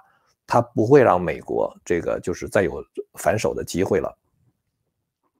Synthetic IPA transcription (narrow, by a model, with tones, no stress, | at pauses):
t̪ʰa˥pu˧˥xwe˥˧ɪɻɑ̰˥˩ŋme˨˩ɪkwɔ̰˧˥ʈ͡ʂɤ˥˩ɡə̰˩t͡ɕjo˥˧ʊʂɻ̩˥˧t͡sa˥˩ɪjo˨˩ʊfa˧˥nʂo˨˩ʊd̪ə˦t͡ɕi˥xwe˥˩ɪlə̰˩